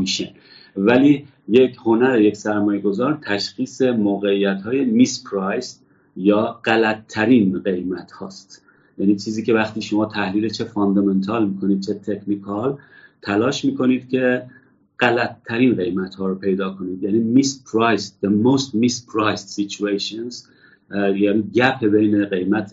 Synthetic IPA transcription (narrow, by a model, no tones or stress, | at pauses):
miːʃen | væliː | je̞cʰho̞næɾeje̞ksæɾmɒːjeɡo̞zɒːɾt̪ʰæʃxiːse̞moːɣe̞ijːæt̪hɒːje̞mispʰɾɑjs | jɒːɢælæt̪ʰːæɾiːnɢe̞jmæt̪hɒ̰ːst̪ | jæniːt͡ʃʰiːziːcʰe̞væχt̪iːʃo̞mɒːt̪ʰæhliːlet͡ʃʰe̞fɑnd̪ɒment̪ʰɒːlmiːkʰo̞niːd̪̚t͡ʃʰe̞t̪ʰe̞kʰnikʰɒlt̪ʰælɒːʃmiːkʰo̞niːd̪̚cʲʰe̞ | ɢ̥ælæt̪ʰːæɾiːnɢe̞jmæt̪hɒːɾopʰe̞jd̪ɒːkʰo̞niːd̪jæniːmispʰɾɑjsd̪emoːst̪mispʰɾɑjssit͡ʃʰueʃonz | jæniːɟæpʰebe̞jne̞ɣe̞jmæt̪ʰ